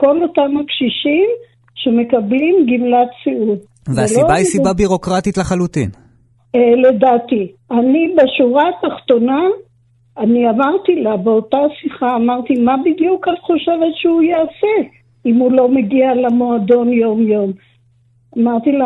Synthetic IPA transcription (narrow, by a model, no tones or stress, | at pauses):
ko̞lo̞tamːakʃiʃim | ʃe̞me̞kablimɡimlatsiul | vzeasliobaisibabiʁo̞kʁatitleχalut̪ḭn | eledat̪ianibeʃuʁataχto̞naː | niamaʁt̪ilabeo̞tasiχaːmaʁt̪imabid̪jukanχoʃe̞vetʃeujease | imulo̞meɡialemo̞ad̪o̞njo̞mjo̞m | amaʁt̪ila